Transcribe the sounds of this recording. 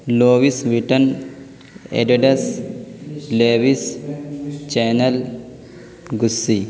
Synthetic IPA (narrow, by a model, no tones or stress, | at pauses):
loːʋisʋiʈɐn | ḛɖeɖɐs | leːʋis | t͡ʃeːnɐl | ɡusːi